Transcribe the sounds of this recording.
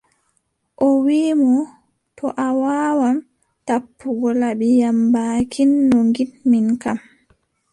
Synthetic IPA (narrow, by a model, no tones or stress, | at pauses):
ʔɔwiːmɔ | tɔʔawaːwam | tapːuɡɔlabijambaːkʰinːoŋɡinminkam